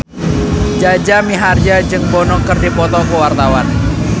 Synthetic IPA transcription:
d͡ʒad͡ʒamiɦard͡ʒad͡ʒɨŋbɔnɔŋkɨrdipɔt̪ɔkuwart̪awan

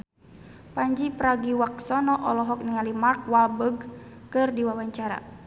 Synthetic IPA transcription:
paɲd͡ʒipɾaɡiwak̚sɔnɔʔɔlɔɦɔk̚niŋalimark̚walbəɡkɨrdiwawaɲt͡ʃaɾa̰

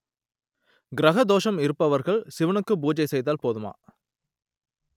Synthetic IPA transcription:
ɡɪɾɐɣɐd̪oːʂɐmɪɾɯpːɐʋɐɾɣɐɭsɪʋɐɳɯkːɯbuːd͡ʒɐɪsɛjðaːlpoːðɯma̰ː

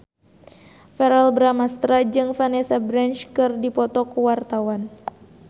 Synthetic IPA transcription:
fɛɾalbɾamast̪ɾad͡ʒɨŋfanɛsabɾant͡ʃkɨrdipɔt̪ɔkuwart̪awan

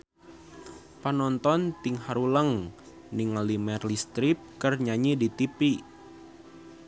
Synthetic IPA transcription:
pənɔnt̪ɔnt̪iŋhaɾuləŋ | niŋalimɛrlist̪ɾip̚kərɲaɲidit̪ipi

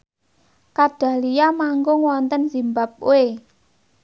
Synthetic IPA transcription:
kaɖ̥ä̤lijamaŋɡʊŋwɔnt̪ənzimbap̚uwe

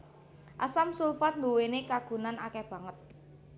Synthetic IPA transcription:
ʔasamsulfat̪̚nduwenekaɡ̥ṳnanakɛb̥ä̤ŋət̪̚

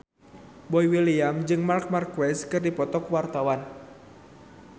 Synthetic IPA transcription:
bɔjwiliamd͡ʒɨŋmark̚markwɛskɨrdipɔt̪ɔkwart̪awan

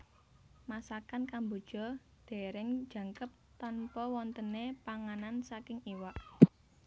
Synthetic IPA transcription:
masakankambod̥ʒ̥ɔ̤ | d̪̥e̤ɾɪŋ̥d͡ʒ̥ä̤ŋkəp̚t̪ɔnpɔwɔnt̪ənepaŋanansakɪŋiwaʔ

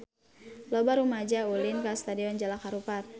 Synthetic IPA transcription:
lɔbaɾumad͡ʒaulɪnkast̪adiɔnd͡ʒalakaɾupat̪̚

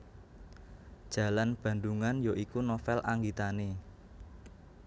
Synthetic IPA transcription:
d̥ʒ̥ä̤lanb̥ä̤nd̪uŋanjoʔikunofɛlʔaŋɡit̪ane

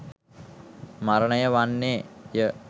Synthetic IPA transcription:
maɾənəjəʋanːeːjə

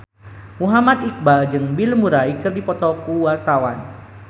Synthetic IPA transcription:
muɦamat̪ik̚bald͡ʒɨŋbilmuɾaikɨrdipɔt̪ɔkuwart̪awan

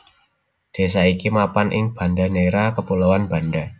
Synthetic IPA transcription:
d̪̥e̤saikimapanʔɪ̰ŋb̥a̤ndaneɾakəpulawanb̥a̤nda

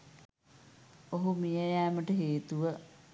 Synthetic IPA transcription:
oɦumijəjæːməʈəɦeːt̪uʋə

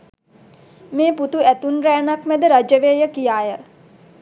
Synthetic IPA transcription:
meːput̪uæt̪unɾæːnakmæd̪əɾad͡ʒəʋeːjəkijaːjə

